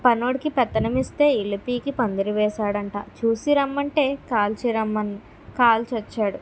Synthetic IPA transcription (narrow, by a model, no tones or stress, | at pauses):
pɐnoːɽikipɛt̪ːɐnɐmist̪e̞ːilːipiːkipɐnd̪iɾiʋɛːʃaːɽɐɳʈa̰ːt͡ʃuːsiɾɐmːɐɳʈe̞ːkaːlt͡ʃiɾɐmːɐn | kaːlt͡ʃɐt͡ʃːaːɽu